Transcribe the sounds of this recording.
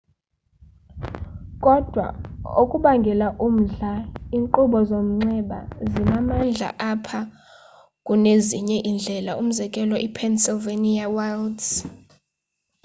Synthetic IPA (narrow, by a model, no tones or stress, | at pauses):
kʼɔd̥ʱwa̰okʼuɓaŋɡʱɛlaʔum̩ɮaiːŋǃuɓɔzom̩ŋ͡ǀɛɓa̰zinamand͡ɮʱa̰ʔapʰa | kʼuneziɲɛʔind͡ɮʱɛlaʔum̩zɛkʼɛlɔʔipʰɛnsɛveniawalds